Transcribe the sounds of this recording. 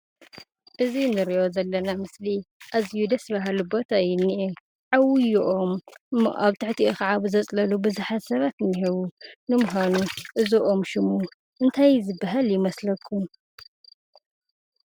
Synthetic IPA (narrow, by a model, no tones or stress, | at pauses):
ʔɨzinɨɾiʔozɐlːɐnamɨsliʔazjud̪ɐsbaɦalubo̞t̪ʰajɪnːiʔe | ʕawɪjʔom̰ʔaβt̪ʰɨħt̪ʰiʔoxaʕaβɨzɐt͡sʼlɐlubɨzuħat̪sɐβat̪niɦeβunɨmʊɦanuʔɨzoʔo̞mʃɪmu | ʔɨnt̪ʰajzɨbːaɦaljɪmɐslɐkʰːum